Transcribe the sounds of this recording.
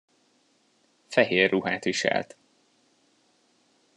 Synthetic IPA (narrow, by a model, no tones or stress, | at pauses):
fɛɦeːrːuɦaːt̪ʋiʃɛ̰lt̪